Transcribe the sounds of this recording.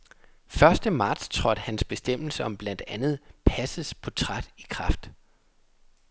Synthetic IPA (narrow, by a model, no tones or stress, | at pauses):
fɶɐsd̥əmɑ̈ːd̥st͡sʰʁɒd̥hænsb̥e̝sd̥em̰l̩səɒ̽mb̥læn̰d̥ænð̞̩ˠpʰæsəspʰɒ̽t͡sʰʁɑd̥ikʰʁɑ̈fd̥